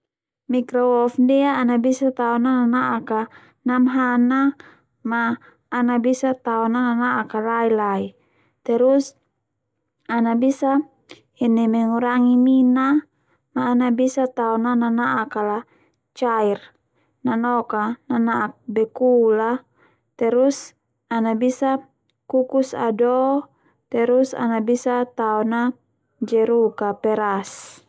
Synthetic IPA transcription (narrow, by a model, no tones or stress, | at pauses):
mikɾɔwɔfndɛaːnabisat̪aɔnananaʔaka | namɦana | maː | nabisat̪aɔnananaʔakalailai | t̪ɛɾus | anabisa | ɛnɛmɛŋuɾaŋimina | maːnabisat̪aɔnananaʔakala | t͡ʃair | nanɔkananaʔak̚bɛkula | t̪ɛɾus | anabisa | kukusa̰dɔ | t̪ɛɾusa̰nabisat̪aɔna | d͡ʒɛɾukapɛɾas